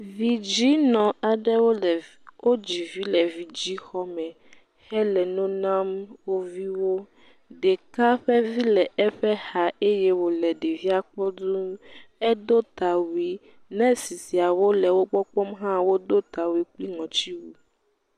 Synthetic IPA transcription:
vi˨d͡ʑi˦nɔ̃˨a˨ɖɛ˦w | wʔo˦d͡ʑi˨vi˦lɛ˨vi˨d͡ʑi˦xɔ˦mɛ̃˨ | hɛ˦lɛ˨nõ˦nã˦mwo˦vi˦wo˦ | ɖɛ˨ka˦ɸɛ˦vi˦lɛ˨ɛ˦ɸɛ˦ha˨e˦jɛ˦wo˨lɛ˨ɖe˨vi˦a˦k͡pɔ˦d̪u˦ɛ˦d̪o˦t̪a˨wi˦ | nɛ̃˦si˨si˨a˨wo˦lɛ˨wo˦ɡ͡bɔ˦k͡pɔ˦mɦã˦wo˦d̪o˦t̪a˨wi˦k͡pli˦ŋɔ̃˨t͡ɕi˦wu˦

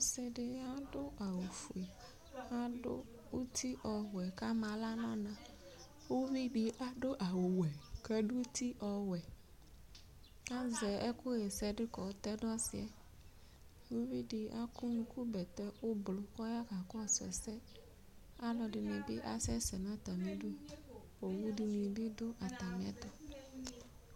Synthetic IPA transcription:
wo˦sɛ˦ɖɪ˦a˦ɖo˦a˨wo˨fu˨e˨ | a˦ɖo̰˦ | wo˦t̪i˦ʔɔ˨wɛ˨ka˦mã˨la˦nɔ̃˦nã˨ | wo˦vi˦ɖi˨ʔa˦ɖo˦ʔa˨wo˨wɛ˨kɛ˦ɖu˦t̪i˦ʔɔ˨wɛ˨ | a˦zɛ˨ɛ˦ko˦jɛ˨sɛ˦ɖɪ˦kɔ˨˦t̪ɛ˦ɖsi˨ɛ˨ | wo˦vi˦ɖi˨a˦ku˦nũ˨ku˦bɛ˨t̪ɛ˦wo˦blo˨kɔ˦ja˦ka˨kɔ˦a˨sɛ̰˨sɛ˦ | a˦lɔ˨ɖɪ˨nɛ̃˨be˦ʔa˦sɛ˦sɛ˨nã˦t̪a˨mẽ˨ɖu˦ | wo˨wu˦ɖi˨nĩ˨ɖi˦ɖo˦ʔa˨t̪a˨m˨ɛ̰̃˦t̪ɔ˦

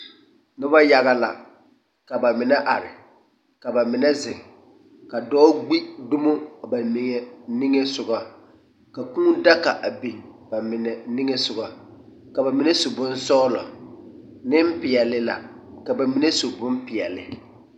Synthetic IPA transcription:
nʊ˦ba˦ja˦ɣa˨la̰˨ | ka˨ba˨mɪ˨nɛ˦ʔa˨ɾɪ˨ | ka˨ba˨mɪ˨nɛ˦zɪ˨ŋ˨ | ka˨dɔː˦ɡ͡bi˦dʊ˦mʊ˦˨ba˨nɪ˨ŋɛ˦ni˦ŋe˦sʊ˨ɡa˦ | ka˨kũ˦da˦ka̰˨ʔa˨bi˨ŋba˨mɪ˨nɛ˨ni˦ŋe˦sʊ˨ɣa˨ | ka˨ba˨mɪ˨nɛ˦so˨bʊ˦n˦sɔː˦lɔ̰˨ | nɪ˦m̩˦pɪ˨ɛ˨lɪ˨la̰˨ka˨ba˨mi˨nɛ˦so˨bʊ˦mpɪ˨ɛ˨lɪ̰˨

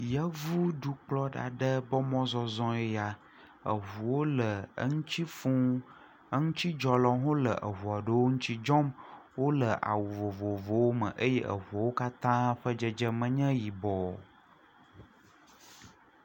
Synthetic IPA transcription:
jə˦vu˦ɖu˨k͡plɔ˦ɖa̰˨ɖə˦bɔ˦mɔ̃˦zɔ˦zɔ̃˦e˦ja˦ | ə̰˨ɦu˨wo˦lə˨ə̰˦ŋũ˦t͡ɕi˦fũ˦ | ə˦ŋũ˦t͡ɕi˦d͡ʒɔ˨lɔ˨ɦõ˦lə˨ʔə˨ɦu˨a˨ɖə˦wo˦ŋũ˦t͡ɕi˦d͡ʒɔ˦mwo˦lə˨ʔa̰˨wu˨vo˨vo˨vo˨wo˦mə̰̃˨ʔə˦jɛ˦ʔə̰˨ɦu˨a˨wo˦ka˦t̪ã˦ɸə˦d͡ʒə˦d͡ʒə˦mə̃˨ɲɛ̃˦ji˨bɔ˨

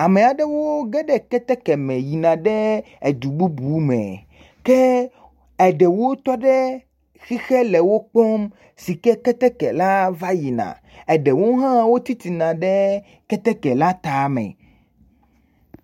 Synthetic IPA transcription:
a˨mẽ˨a˨ɖɛ˦wo˦ɡɛ˦ɖɛ˦kɛ˦t̪ɛ˦kɛ˨mɛ̃˨ji˨nã˨ɖɛ˦ | e˨d̪u˨ɡ͡bu˦bu˦mɛ̰̃˨ | kɛ˦ | ɛ˨ɖɛ˨wo˦t̪ɔ˦ɖɛ˦ | xi˦xɛ˦lɛ˨wo˦k͡pɔ˦m | si˨kɛ˦kɛ˦t̪ɛ˦kɛ˨la˦va˦ji˨nã̰˨ | ɛ˨ɖɛ˨wo˦ɦã˦wo˦t̪i˦t̪i˨nã˨ɖɛ˦ | kɛ˦t̪ɛ˦kɛ˨la˦t̪a˨˦mɛ̰̃˨

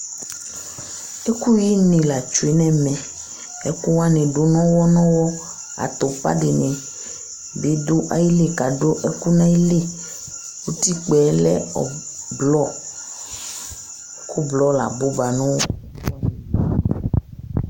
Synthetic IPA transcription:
e˦ku˦ji˦nĩ˨la˨t͡ʃu˨e˨nɛ̃˦mɛ̃˨ | ɛ˦ku˦wa˦nẽ˨ɖo˨nɔ̃˦wɔ˦nɔ̃˦wɔ˦ | a̰˨t̪o˨pa̰˦ɖe˨nẽ˨ | bi˨˦d̪o˦ʔa˦ji˦le˦ka˨ɖo˦ʔe˦ku˦nã˦i˦le˦ | wo˦t̪i˦k͡pɛ˨˦lɛ̰˦ɔ̰˨ | blɔ˦ | kʰu˦blɔ˦la̰˨bo˦ba˨nɔ̃˦wɔ˦

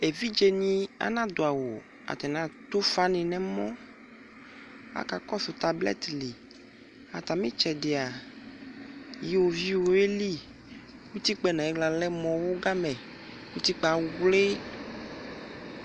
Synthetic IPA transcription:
e˨vi˦d͡ʒe˨ɲĩ˦a̰˦nã˦d̪o˨a˨wo˨ | a̰˨t̪ɛ˨nã˨˦t̪o˦fa˦nẽ˨nɛ̃˦mɔ̃˦ | a̰˦ka˨kɔ˦so˨t̪a˨blɛ̰˦t̪li˨ | a˨t̪a˨mẽ˦t͡ʃɛ˨ɖe˨a˨ | ji˦wo˨vi˦wo˨e˦li˦ | wu˦t̪i˦k͡pɛ˦nã˨ɛ˦ɡ͡bla˨lɛ˦mɔ̃˨wo˦ɡa˦mɛ̃˨ | wu˦t̪i˦k͡pa˨˦ɡle˦

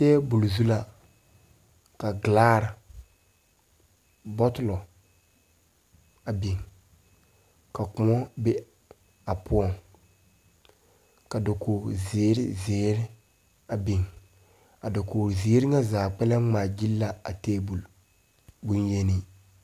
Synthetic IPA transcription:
tɛː˦bu˨lzu˦la˦ | ka˨ɡlaː˦ɾa˨ | bɔ˦tɪ˨lɔ˨ | a˨bi˨ŋ | ka˨kʊ˨mɔ˦bɛ˦ | a˨pʊ˦ɔ˦ŋ | ka˨da˨koː˨ɾzeː˨˦ɾɪ̰˦zeː˨˦ɾɪ˦ | a˨bi˨ŋ | a˨da˨koː˨ɾzi˨e˦ɾɪ˦ŋa˦zaː˨k͡pɛ˦lɛ˦ŋ͡maː˨d͡ʒi˦lːa˦a˨teː˦bu˨l | bu˦nje˦ni˦

